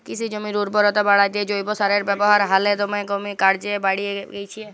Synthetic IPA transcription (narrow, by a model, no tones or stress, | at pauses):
kit͡ʃʰid͡ʒomiɾuɾbʱɔɾɔt̪abaɽad̪ied͡ʒojbosaɾeɾbɛboɦaɾɦalet̪omekomikaɾd͡ʒebaɽieɡejt͡ʃʰie